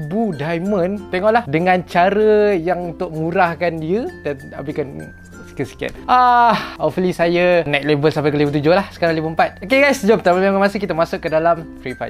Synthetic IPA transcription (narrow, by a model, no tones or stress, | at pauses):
budajmə̃nt̪ɛŋɔʔlahdəŋãnt͡ʃaɾəjaŋunt̪ʊʔmũɾahkandiədana̰bikan | si̥kat̪si̥kia̰t̪̚ʔahofəlisajanat̪̚lebəlsampajkəlibət̪ud͡ʒʊhlahsə̥kaɾaŋlibəəmpat̪̚okeɡajsd͡ʒɔpt̪aməmẽmãmasɪkit̪amasʊʔkːədalamfɾipa̰